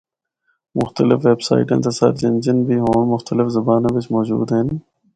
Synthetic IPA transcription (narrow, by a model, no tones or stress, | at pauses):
mʊxt̪əlɪfʋeːbsa̰ːḭʈḛ̃nt̪ɐsɐ̰ɾd͡ʒɐnd͡ʒənbʱiːɦoːɳ̃mʊxt̪əlɪfzɐbaːnẽːbɪt͡ʃmɔːd͡ʒṵːd̪ɦenː